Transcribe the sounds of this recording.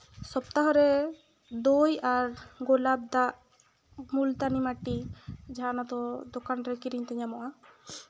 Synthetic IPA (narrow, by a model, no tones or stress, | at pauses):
sɔpt̪aɦɔɾɛ | d̪ojaɾɡolab̚d̪aʔ | mult̪animaʈid͡ʒaɦanat̪ɔd̪okanɾɛkiɾiɲt̪ɛɲamɔʔa